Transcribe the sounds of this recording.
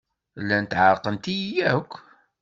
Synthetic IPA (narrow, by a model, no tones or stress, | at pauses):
lːænt̪ʕəɾqənt̪ijækʷː